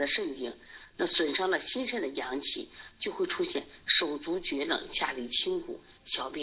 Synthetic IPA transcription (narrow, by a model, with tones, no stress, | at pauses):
d̪ə˧ʂə˥˩ŋt͡ɕi˥ŋna˥˩swə˨˩nʂɑ˥ŋlə˨ɕi˥nʂə˥nd̪ə˨jɑ˧˥ŋt͡ɕʰḭ˧˩˦t͡ɕjo˥˧ʊxwe˥˩ɪʈ͡ʂʰu˥ɕjɛ̰˥˩nʂo˨˩ʊt͡su˧˥t͡ɕɥɛ˧˥lɤ̰˨˩ŋɕja˥˩li˨˥˩t͡ɕʰi˥ŋkʰṵ˨˩˦ | ɕjɑ˧˥ʊpɛ˥